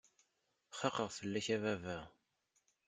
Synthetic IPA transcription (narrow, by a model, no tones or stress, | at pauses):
χɑqəʁθəlːæçævævæ